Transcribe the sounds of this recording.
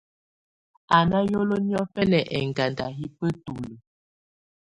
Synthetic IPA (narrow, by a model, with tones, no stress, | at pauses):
a˨na˦jo˦lo˦njɔ˦fɛ˦lɛ˨ʔɛ˨ŋɡa˨nda˨ɦi˦pə˦tu˨lə˨